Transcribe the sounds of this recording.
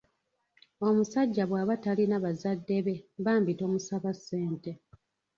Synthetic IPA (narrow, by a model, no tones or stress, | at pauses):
o̞musaɟːaβwaːβatalinaβazadːe̞βe̞βaːmbito̞ːmusaβasːe̞ːnte